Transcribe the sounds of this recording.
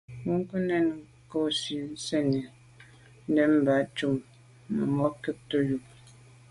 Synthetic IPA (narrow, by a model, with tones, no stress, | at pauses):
mu˦ŋ˦kə˦nɛ˦˨n˨ | ko˦˨si˨˦n̩˦sɛ˦˨ni˨ | n̩˦dɛ˦m̩˦˨ba˨˦t͡ʃu˦˨mː | ə̰˨mɔ˦kə˦k̚tə˦ju˨k̚